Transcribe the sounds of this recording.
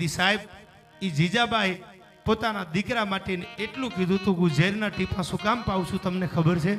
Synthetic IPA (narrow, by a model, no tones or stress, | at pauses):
isaɦeb̚ | id͡ʒid͡ʒabaɦj | pot̪anad̪ikɾamaʈeneeʈlũkid̪ʱut̪ũkũd͡ʒeɾnaʈipãsũkampauʃʰũt̪əmnekʰəbəɾt͡ʃʰe